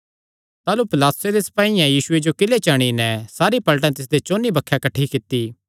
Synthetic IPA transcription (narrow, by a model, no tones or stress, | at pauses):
t̪aːlupɪlaːt̪ʊsed̪esɐ̥paːijãjiːsʊed͡ʒokɪlet͡ʃaːɽ̃inɛsaːɾipɐləʈ̬ãt̪ɪs̬d̪et͡ʃoːnibɐkʰːjakɐʈʰːikɪt̪ːi